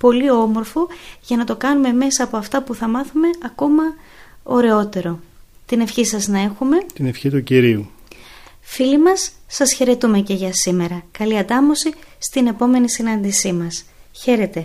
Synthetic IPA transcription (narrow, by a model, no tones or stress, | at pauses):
po̞lio̞mo̞ɾfo̞ʝɐnɐt̪o̞kɐnume̞me̞sɐːpo̞ɐft̪ɐpuθɐmɐθume̞ɐko̞mɐ | o̞ɾe̞o̞t̪e̞ɾo̞ | t̪ine̞fçisɐznɐe̞xume̞t̪inefçit̪uciɾiu | filimɐsːɐsçe̞ɾe̞t̪ume̞ce̞ʝɐsime̞ɾɐkɐliɐt̪ɐmo̞sist̪ine̞po̞me̞nisinɐnd̪isimɐsçe̞ɾe̞t̪e̞